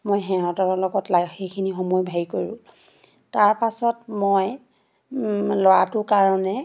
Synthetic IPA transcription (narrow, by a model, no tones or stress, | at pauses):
mojɦɛ̃ɹɔtɔɹɔlɔɡɔtlaxejkʰinixomujbʱajkoɹʊ̰̃ | taɹpasɔtmoj | lɔwatʊkaɹɔnɛ